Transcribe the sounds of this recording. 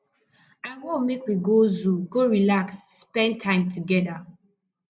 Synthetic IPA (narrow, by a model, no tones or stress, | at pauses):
aɪwõmekwiɡozuɡoɹilaksːpɛ̃ntʰãɪ̃mtʰuɡɛda